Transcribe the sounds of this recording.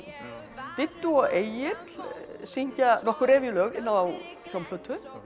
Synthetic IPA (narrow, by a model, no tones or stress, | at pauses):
t̪ɪt̪ːuɔɣeːjɪt̪l̥siɲ̥canɔhkʏɾɛːvɪlœːɣɪnːaaw | çjowmlœt̪ʰʏ